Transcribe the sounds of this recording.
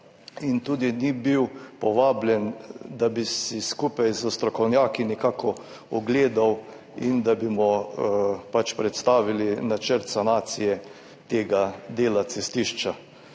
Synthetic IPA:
int̪uːd̪inibiwpɔʋaːbljɛnd̪abisiskupajzəst̪ɾɔkɔwnjaːkinɛkaːkʰɔ | ɔɡleːd̪aw | ind̪abimɔ | pat͡ʃpɾɛt̪st̪aːʋilinat͡ʃəɾt̪sanaːt̪sijɛ | t̪eːɡad̪eːlasɛst̪iʃt͡ʃa

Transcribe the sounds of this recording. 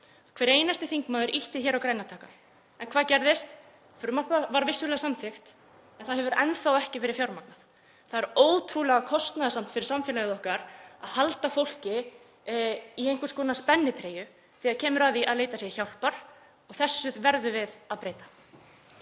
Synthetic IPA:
kʰvɛːɾejnast̪ɪθiŋkmaːðʏɾʔiht̪ɪçɛːɾawkɾaːjnat̪ʰaːka | ɛnkʰvaːðcɛɾðɪst̪ | fɾʏmapavaɾvɪsːʏlɛɣasamθɪxt̪ | ɛnθaðhɛvʏɾɛnθawɛhcɪfɪːɾɪɾ̥fjawɾmaknaθ | θaðɛɾoːwt̪ʰɾuːlɛɣakʰɔst̪naðasam̥t̪fɪɾɪ̥samfɛːlaɣɪðɔhkaɾaðhalt̪afowl̥cɪ | iejŋkʏɾskɔːnaspɛnːɪt̪ʰɾeːjʏ | θiːaðcʰɛːmʏɾaːðiʔaðleːjt̪asjɛ̥çawl̥paɾ̥ | ɔɣθɛsːʏðvɛɾðʏvɪðaðpɾeːjt̪ḁ

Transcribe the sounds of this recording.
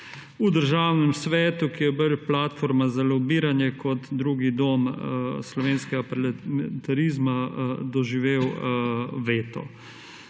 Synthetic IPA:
ud̪əɾʒaːwnɛmsʋɛːt̪ukijɛbəlplat̪foɾmazalɔbiːɾanjɛkɔt̪d̪ɾuːɡid̪oːmslɔʋeːnskɛɡapɾɛlmt̪aɾiːzmad̪ɔʒiʋeːw | ʋeːt̪ɔ̰

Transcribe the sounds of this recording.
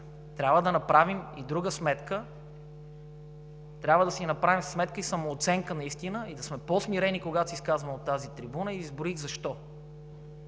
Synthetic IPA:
t̪ɾʲabvəd̪ɐnɐpɾavimid̪ɾuɡəsmɛt̪kə | t̪ɾʲabvəd̪ɐsinɐpɾavimssmɛt̪̚kəisɐmoːt̪sɛŋkənɐist̪inəid̪ɐsmɛpɔsmiɾɛnikoɡat̪osiskazvɐmot̪ːazit̪ɾibunəizboɾiɣzɐʃt̪ɔ

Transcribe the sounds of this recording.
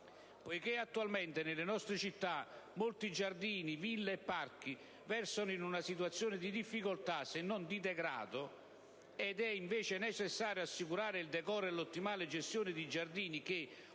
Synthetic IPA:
pojkeat̪ːualment̪ɪnɪlɪnɔst̪ɾɪt͡ʃit̪ːamolt̪id͡ʒard̪iːnivilːeɛpːarki | vɛrsonʊinunasit̪̬uwat̪sːjoːnɪd̪id̪ifːikolt̪asɪnːɔnd̪id̪ɛɡɾa̰ːd̪ʊ | ɛd̪ɛiɱveːt͡ʃɪnɛt͡ʃɛsːaːɾjoasːikuɾaːɾɪild̪ɛkɔːɾɛlːot̪ːimaːlɪd͡ʒest̪joːnɪd̪id͡ʒard̪iːnik̟e

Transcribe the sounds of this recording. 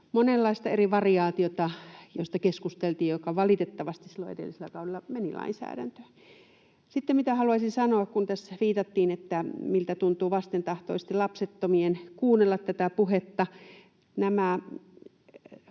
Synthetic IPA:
monelːɑist̪ɑeriʋɑriɑːt̪iot̪ɑjo̰st̪ɑkeskust̪elt̪iːjjokɑʋɑlit̪et̪ːɑʋɑst̪issilːoḛdḛlːiselːækɑudelːɑmenilʔɑ̰insæ̰ːɾæ̰nt̪ø̥ | sit̪ːemmit̪æhɑluɑisinsɑnoɑkkunt̪æsʋiːt̪ɑt̪ːiːnet̪ːæmilt̪æt̪unt̪uːʋɑst̪ent̪ɑht̪o̰ˑise̥st̪ilɑpset̪ːomienkuːnelːɑt̪tæt̪æpuhet̪ːɑ | næmæ

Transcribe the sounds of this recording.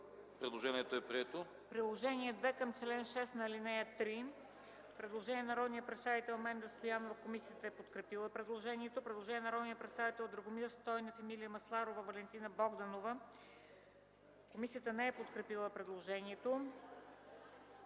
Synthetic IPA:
pɾɛd̪lˠoʒɛniɛt̪oɛpɾiɛt̪o | pɾilˠoʒɛniɛd̪vɛkəmt͡ʃlɛnʃɛst̪nɐlinɛjət̪ɾi | pɾɛd̪lˠoʒɛniɛnɐɾɔd̪nijəpɾɛt̪st̪avit̪ɛlˠmɛnd̪əst̪ojanːovɐfkomisijət̪əɛpot̪kɾɛpilˠəpɾɛd̪lˠoʒɛniɛt̪opɾɛd̪lˠoʒɛniɛnɐɾɔd̪nijəpɾɛt̪st̪avit̪ɛlˠd̪ɾɐɡomiɾst̪ɔjnɐfɛmilijəmɐslˠaɾovəvɐlɛnt̪inəbɔɡd̪ɐnovə | komisijət̪ənɛɛpot̪kɾɛpilˠəpɾɛd̪lˠoʒɛniɛt̪o

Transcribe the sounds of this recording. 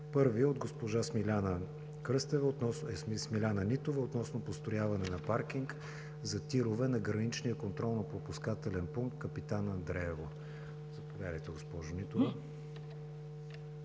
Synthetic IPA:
pɤɾviod̪ɡospoʒasmilʲanə | kɾɤst̪ɛvəot̪nɔsɛsmsmilʲanənit̪ovəot̪nɔsnopost̪ojavɐnɛnɐpaɾk̟iŋk | zɐt̪iɾovɛnɐɡɾɐnit͡ʃnijəkont̪ɾɔlˠnopɾopuskat̪ɛlɛnpuŋkt̪kəpit̪anɐnd̪ɾɛɛvo | zɐpovʲjad̪əjt̪ɛɡospɔʒʊnit̪ovə

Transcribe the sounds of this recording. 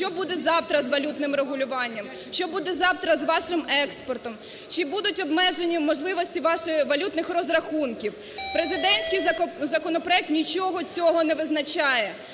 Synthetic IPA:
t͡ʃɔbud̪ɛzɑwt̪ɾɐzʋɐlʲut̪nɪmɾeɦʊlʲʊʋɑnʲːɐm | ʃt͡ʃɔbud̪ɛzɑwt̪ɾɐzʋɑʃɪmɛkspɔrt̪ɔm | t͡ʃɪbud̪ʊtʲɔbmɛʒenʲimɔʒlˠɪʋɔsʲtʲiʋɑʃʋɐlʲut̪nɪxrɔzɾɐxunkʲiw | pɾezɪd̪ɛnʲsʲkɪjzɐkɔnɔpɾɔɛk̚t̪nʲit͡ʃɔɦɔt͡sʲɔɦɔnɛʋɪznɐt͡ʃɑjɛ

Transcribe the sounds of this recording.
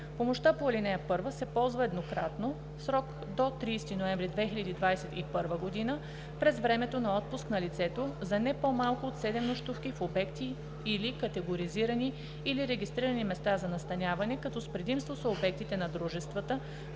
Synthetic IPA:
pomoʃt̪apolinɛjəpɤɾvəsɛpɔlˠzvəɛd̪nokɾat̪no | fsɾɔk | d̪ot̪ɾiːst̪inoɛ̃ɱvɾid̪vɛxilʎʲɐd̪iːd̪vajsɛt̪ipɤɾvəɡod̪inə | pɾɛzvɾɛmɛt̪onɐɔt̪̚pʊsknɐlit̪sɛt̪ozɐnɛpomalˠkʊot̪sɛd̪ɛmnoʃt̪ufkifobɛkt̪iː | likɐt̪ɛɡoɾiziɾɐniː | liɾɛɡʲist̪ɾiɾənimɛst̪azɐnɐst̪ɐnʲavɐnɛkɐt̪ɔspɾɛd̪imst̪vosɐobɛk̚t̪it̪ɛnɐd̪ɾuʒɛst̪vət̪ə

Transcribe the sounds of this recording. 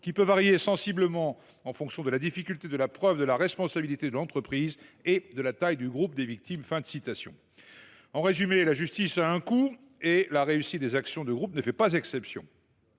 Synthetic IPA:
kʲipøvaʁjesɑ̃sibləmɑ̃ | ɑ̃fɔ̃ksjɔ̃d̪əlad̪ifikʲylt̪ed̪əlapχœvd̪əlaʁɛspɔ̃sabilit̪ed̪əlɑ̃t̪χəpχized̪əlat̪ajd̪yɡʁup̚d̪evik̚t̪imfɛ̃d̪əsit̪asjɔ̰̃ | ɑ̃ʁezymelaʒyst̪isaɛ̃ku | elaʁeysit̪̚d̪ezaksjɔ̃d̪əɡʁupnəfɛpazɛksɛpsjɔ̰̃

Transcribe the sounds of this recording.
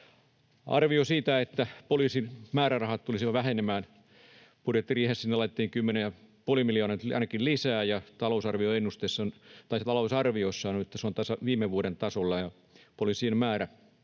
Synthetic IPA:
ʔɑ̰rʋiosiːt̪æet̪ːæpoliːsinmæːɾærɑhɑt̪t̪ulisiʋɑʋæhenemæːn | pudjet̪ːiriːhessinːelɑijt̪et̪ːiːŋkymːenejjɑpuolimilijoːnɑɑ̰inɑkillisæːjɑt̪ɑlousɑrʋioenːust̪esːont̪ɑist̪ɑlousɑrʋiosːɑːnuet̪ːæseont̪æsæʋiːmːeʋʋuoɾent̪ɑsolːɑjɑ | polisiemmæːɾæ

